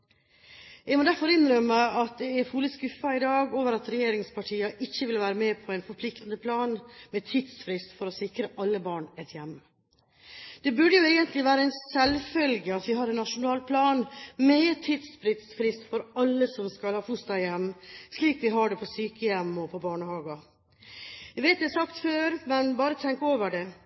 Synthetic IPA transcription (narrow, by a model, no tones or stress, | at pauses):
ɛɡmɔːd̪æɾfɔɾɪnɾœməɑt̪̚d̪ɛɛfuːləskʉfɑɪd̪ɑːɡoːʋəɾɑt̪ɾɛjeːɾɪŋspʰɑʈʰiːɑʔɪçːəʋɪlʋæːɾəmɛːpʰɔæɪnfɔɾpʰlɪkt̪ənəpʰlɑːnmɛt̪ʰiːd̪sfɾɪst̪fɔɾɔsɪkɾəʔɑlːəbɑːɳɛt̪jɛmː | d̪̥ɛbʉɖəjʊeːɡənt̪ʰlɪʋæːɾəæɪnsɛlfœlɡəɑt̪ʋɪɦɑɾɛnːɑʂʊnɑːlpʰlɑːnmɛt̪ʰiːd̪sfɾɪt̪sfɾɪst̪fɔɾɑlːəsɔmskɑlhɑːfʊst̪ɑjɛmːsliːkʋɪɦɑɖɛpʰɔsyːkəjɛmːɔpʰɔbɑːɳəhɑːɡɑ | æʋeɪt̪̚d̪æsɑkt̪føːɾmɛnbɑːɾət̪ʰɛŋkəoːʋəɖɛ